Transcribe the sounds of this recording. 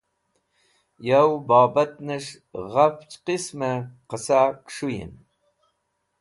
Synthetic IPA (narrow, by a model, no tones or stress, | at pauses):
jawbɑːbat̪̚nɨʃ | ʁaft͡ʃʰqisməqəsakʃujḭn